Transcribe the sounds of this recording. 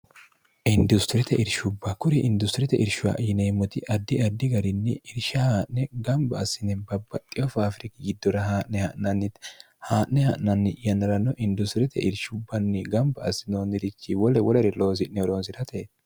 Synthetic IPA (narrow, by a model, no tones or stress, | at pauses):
ʔɪnd̪ʊst̪ɪɾɛt̪ɛʔɪɾʃʊbːɐkʊɾɛʔɪnd̪ʊst̪ɪɾɛt̪ɛʔɪɾʃʊwa̰ʔjɪneːmːɔt̪ɪʔɐd̪ːɪɐd̪ːɪɡɐɾɪnːɪɪɾʃɐhaːʔnɛɡɐmbɐːsɪnɛbɐbːɐt̪ʼːɪjɔfafɾɪkɪɡɪd̪ːɔɾɐɦaːʔnɛhɐʔnɐnːɪt̪ | haːʔnɛhɐʔnɐnːɪjɐnːɐɾɐnːɔʔɪnd̪ʊst̪ɪɾɛt̪ʰɛ̰ʔɪɾʃʊbːɐnːɪɡɐmbɐɐsːɪnoːnɪɾɪt͡ʃːiwɔlɛwɔlɛɾɛlo̞ːsɪʔnɛɔɾoːnsɪɾɐt̪eː